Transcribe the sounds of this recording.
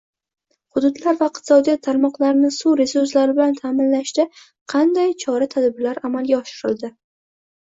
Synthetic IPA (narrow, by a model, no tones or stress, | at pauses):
hʊd̪ʊd̪laɾvaɪq̚t̪ʰɪ̥sɒd̪ijɒt̪ʰːaɾmɒqlˠaɾnɪsuɾe̞sʊɾs̬laɾɪbɪlant̪ʰaːmɪnlaʃd̪ɪ | qʰɑnd̪ajt͡ʃʰɒɾat̪ʰad̪bɪlaɾamalɡʲaɒʃɪɾɪld̪ɪ